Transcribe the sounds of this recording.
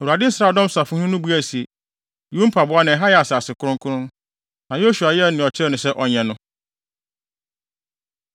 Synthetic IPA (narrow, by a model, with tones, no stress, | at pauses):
ɛ˨u˨a˨dɪ̃˦n̩˦sɾaː˨dɔ̃˦msa˨fʊ̃˦hʊ̃˦nʊ̃˦bu˦æ˦˨si˨e˨ | jũ˦m̩˦pʰa˨bʊ˦a˦nã˨ɛ˨ɦa˦jɛ˨a˨saː˨sɪ˨kʰʊ˦ɾʊ̃˦ŋkʰʊ˦ɾʊ̃˦n | nã˨jo˦su˨a˨jɛ˦˨nɪ̃˨ɔ˨t͡ɕʰɪ˦ɾɛ˦nʊ̃˨sɛ˦ʔɔ˨ɲɛ̃˨nʊ̃˦